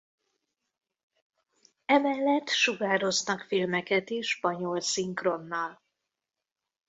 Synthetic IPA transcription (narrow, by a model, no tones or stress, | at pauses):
ɛmɛlːɛt̪ːʃuɡaːɾo̞znɒkfilmɛkɛt̪eːʃʃpɒɲo̞lsiŋkro̞nːɒl